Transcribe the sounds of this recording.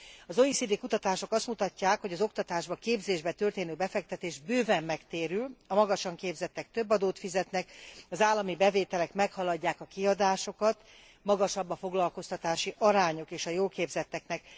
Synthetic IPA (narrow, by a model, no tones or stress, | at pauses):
ɒzoisid̪ekut̪ɒt̪aːʃo̞kɒst̪mut̪ɒcːaːkho̞ɟɒzo̞kt̪ɒt̪aːʒbɒkeːbzeːʒbɛt̪ørt̪eːnøːbɛfɛk̚t̪ɛt̪eːʒbøːvɛmːɛkt̪eːɾylɒmɒɡɒʃɒŋkeːbzɛt̪ːɛk̚t̪øbːɒd̪oːt̪fizɛt̪nɛkɒzaːlːɒmibɛveːt̪ɛlɛkmɛkhɒlɒɟːaːkɒkiɒd̪aːʃo̞kɒt̪ | mɒɡɒʃɒbːɒfo̞ɡlɒlko̞st̪ɒt̪aːʃiʔɒɾaːɲo̞keːʃɒjoːlkeːbzɛt̪ːɛknɛk